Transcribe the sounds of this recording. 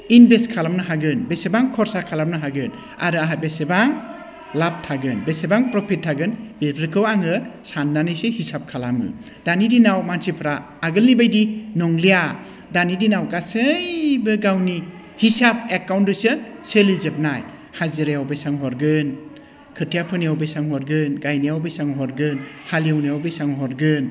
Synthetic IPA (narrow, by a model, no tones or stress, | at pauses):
inbeskʰalamnɯɦaɡɯnbesebaŋkʰɔɾsakʰalamnɯɦaɡɯn | a̰ɾɯaɦajbesebaŋ | lap̚tʰaɡɯnbesebaŋpɾɔpʰitʰːaɡɯnbebʰɾikʰɯwaŋɯsanːanɯjsehisap̚kʰalamɯ̰ | danidinawmansipʰɾaː | ɡɯlːibajdinɔŋlija | danidinawɡasɯjbɯɡawni | hisap̚ekawntdusɯselizep̚naj | haziɾejawbejsaŋɦɔɾɡɯn | kʰɯɾtʰijapʰɯnijawbejsaŋɦɔɾɡɯnɡajnijawbejsaŋɦɔɾɡɯnhalijawnijawbejsaŋɦɔɾɡɯn